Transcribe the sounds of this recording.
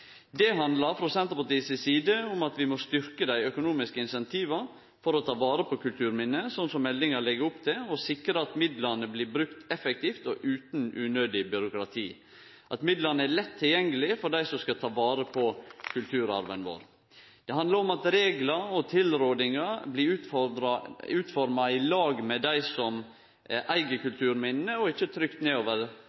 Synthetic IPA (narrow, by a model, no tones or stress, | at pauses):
d̪ɛɦɑnd̪lɑɾfɾɔsɛnt̪əɾpɑʈ̪iːsəsiːd̪əʊmɑt̪ʋɪmɔst̪ʏɾkəd̪æɪœkʊnuːmɪskəɪnsɛnt̪ʰiːʋɑɾ | fɔɾɔt̪ʰɑːʋɑːɾəpʰɔkʉlt̪ʰʉːɾmɪnːəsɔnːsɔmːɛlːɪŋɑɭɛɡəɾʊpt̪ʰɪlɔsɪkɾəɑt̪mɪd̪lɑɾnəbliːbɾʉkt̪ɛfɛkt̪iːft̪ɔʔʉːt̪n̩ʉnøːd̪ɪbʏɾʊkɾɑt̪ʰḭː | ʔɑt̪mɪd̪lɑnəæɾlɛt̪ʰːɪljɛŋːəlɪfɔɖæɪsɔmskɑt̪ʰɑːʋɑːɾəpʰɔkʰʉlt̪ʰʉːɾɑ̰ɾʋənʋo̰ːɾ | d̪̥ɛhɑnd̪lɑɾɔmɑt̪ɾeːɡlɑɔt̪ʰɪlɾoːd̪ɪŋɑblɪʉɾʉːt̪fɔɾmɑɪlɑːɡmɛd̪æɪsɔm | ʔæʔæɪɡəkʉlt̪ʰʉːɾmɪnəɔɪçːət̪ʰɾʏkt̪neːoːʋəɾ